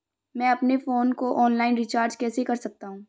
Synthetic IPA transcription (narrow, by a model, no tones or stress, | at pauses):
mɛ̃ɐpnefoːnkoʔɔːnlaːɪnɾɪt͡ʃaːɾd͡ʒkɛːsekɐɾsɐk̚t̪aɦũː